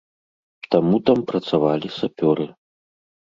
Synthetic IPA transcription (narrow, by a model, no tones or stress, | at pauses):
t̪amut̪ampɾɐt̪savalʲisapʲɔɾɨ